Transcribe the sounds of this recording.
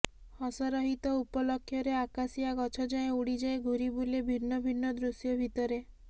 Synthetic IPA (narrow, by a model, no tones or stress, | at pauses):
hɔsɔɾɔɦit̪ɔupɔlɔkʰːjɔɾeakasiaɡɔt͡ʃʰɔd͡ʒaẽuɽid͡ʒaeɡʱuɾibulebʱinːɔbʱinːɔd̪ɾusjɔbʱit̪ɔɾe